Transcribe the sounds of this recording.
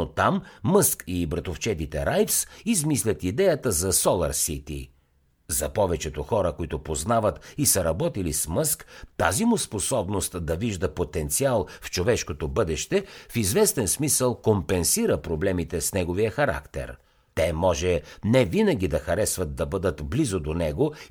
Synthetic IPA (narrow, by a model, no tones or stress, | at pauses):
ot̪amːɤskibɾɐt̪oft͡ʃɛt̪it̪ɛɾajfsizmislʲət̪id̪ɛjət̪əzɐsɔlˠɐ̰ɾsit̪ḭ | zɐpɔvɛt͡ʃɛt̪oxɔɾəkoit̪ʊpoznavət̪isəɾɐbɔt̪ilismɤskt̪azimʊsposɔbnost̪d̪ɐviʒd̪əpot̪ɛnt̪sialˠft͡ʃovɛʃkot̪obɤd̪ɛʃt̪ɛfizvɛst̪ɛnsmisəlˠkompɛnsiɾəpɾoblɛmit̪ɛsnɛɡovijəxɐɾa̰kt̪ɛ̰ɾ | t̪ɛmɔʒɛnɛvinɐɡ̟ʲid̪ɐxɐɾɛsvɐt̪̚d̪ɐbɤd̪ət̪blizod̪onɛɡo